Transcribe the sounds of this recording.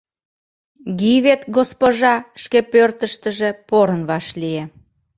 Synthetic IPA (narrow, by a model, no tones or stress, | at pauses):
ɣiβet̪ɡospoʒɑʃkepørt̪əʃt̪əʒepoɾənβɑʃlie